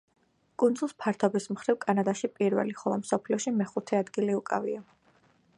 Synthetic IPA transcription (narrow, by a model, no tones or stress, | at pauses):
kʼund̪zulˠspʰaɾt̪ʰɔbismχɾivkʼanad̪aʃipʼiɾvɛ̰liχɔlˠɔmsɔpʰliɔʃimɛχut̪ʰɛad̪ɡiliukʼavia